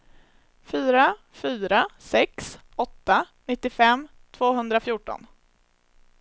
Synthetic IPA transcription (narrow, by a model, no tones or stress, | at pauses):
fyːɾa | fyːɾasɛks | ɔt̪ːa | nɪt̪ːɪfɛmːt̪ʰvoːɦɵnd̪ɾafjuːʈɔ̰n